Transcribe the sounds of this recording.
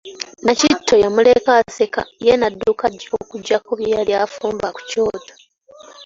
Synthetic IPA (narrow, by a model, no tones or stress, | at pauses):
nacitʰːo̞jamulekaseka̰jenadːuːkaɟokuɟːakoβjejaljafuːmbaku̥coːto